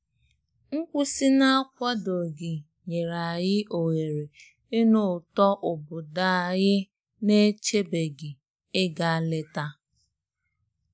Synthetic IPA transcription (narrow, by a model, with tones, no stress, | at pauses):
ŋ̩˦kʷʊ˦sɪ˦na˦a˦kʷa˦do˨ɡɪ˨ | ɲe˨ɾa˨jɪ˦ʔo˨ŋe˨ɾe˨ | ɪ˦nʊ˨tɔ˦ʔʊ˨bʊ˨da˦˨ɣɪ˦ | ne˦t͡ʃe˦be˨ɡɪ˨ | ɪ˦ɡa˨a˦le˦ta˦